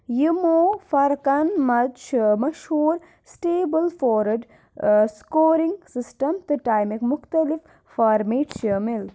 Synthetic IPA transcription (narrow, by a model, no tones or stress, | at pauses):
jimofɐɾkɐnmɐt͡ʃmɐʃhuːɾ | sʈeːbəlfoːɾɖ | skoːɾiŋɡsisʈɐmt̪ɨʈaːjmikmʊxt̪ɐlif | faːɾmeːʈʃeːmil